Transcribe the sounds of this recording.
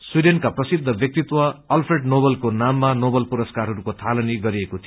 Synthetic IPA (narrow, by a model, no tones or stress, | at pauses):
swiɖenkaprʌsid̪ʱːʌbjʌk̚t̪it̪wʌːlpʰreɖnobʌlkonamːanobʌlpuɾʌskarɦʌɾukot̪ʰalʌniɡʌɾiekot̪ʰi